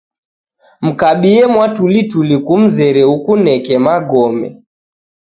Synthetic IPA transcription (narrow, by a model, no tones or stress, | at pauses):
m̩kaɓiɛmwatulitulikum̩zɛɾɛukunɛkɛmaɡɔmɛ̰